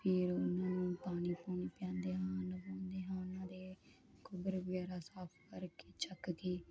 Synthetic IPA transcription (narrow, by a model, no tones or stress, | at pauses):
pʰɪɾʊnãːnũːpaːɽ̃iːpoːniːpjãːnd̪eːɦãːnəbãːnd̪eːɦãːʊnãːd̪eː | kʰʊbəɾbɡaːɾaːsaːpʰkəɾke̥ːt͡ʃəkɡeː